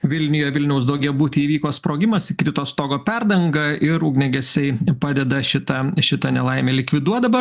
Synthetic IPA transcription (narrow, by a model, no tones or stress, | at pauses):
ʋʲɪlʲnʲɪjoːjʋʲɪlʲnʲɛʊsd̪ɐʊɡʲɛʊbuːt̪ʲɪiːʋʲiːkoːspɾoːɡʲɪmɐsɪkɾʲɪt̪oːst̪oːɡoːpʲɛɾd̪ɐŋɡɐɪɾuːɡnʲɛɡʲɛsʲɛɪpɑːd̪ʲɛd̪ɐʃʲɪt̪ɐʃʲɪt̪ɐnʲɛlˠɐɪmʲeːlʲɪkʋʲɪd̪uɔd̪ɐʋɐ